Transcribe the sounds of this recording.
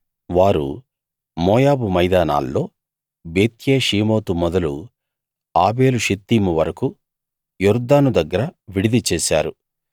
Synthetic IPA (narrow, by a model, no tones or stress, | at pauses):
ʋaːɾṵ | mɔːjaːbumɐjd̪aːna̰ːlːo̞ː | be̞ːt̪jeːʃiːmo̞ːt̪umɔd̪ɐlu | aːbe̞ːluʃit̪ːiːmuʋɐɾɐku | juɾd̪ːaːnud̪ɐɡːɐɾɐʋiɽid̪it͡ʃeːsa̰ːɾu